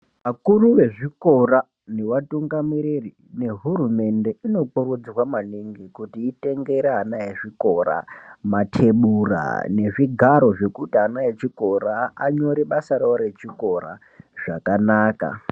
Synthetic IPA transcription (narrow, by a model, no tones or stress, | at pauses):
ʋakuruʋe̞ʐiko̞ra | ne̞watuŋɡamiɾiri | ne̞ɦurume̞nde̞ino̞k͡purud͡zrwamaniŋɡikutiːte̞ŋɡe̞ɾeɦanajeʐiko̞ɾa̰matʰe̞ɓura̰ne̞ʐiɡʱaɾo̞ʐe̞kutianajet͡ʃiko̞ɾaaɲo̞ɾiɓasaɾaoɾe̞t͡ʃiko̞ra̰ | ʐ̥akanaːka̰